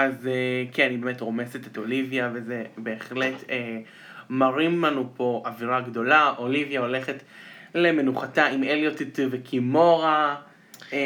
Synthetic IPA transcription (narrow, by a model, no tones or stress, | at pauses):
azekianibeme̞tʁo̞meseteto̞livjavezebe̞ːχle̞te | maʁimlanupo̞ʔaviʁaɡdo̞laʔolivjao̞le̞χetle̞me̞nuχataimeljotitvekʰimo̞ʁa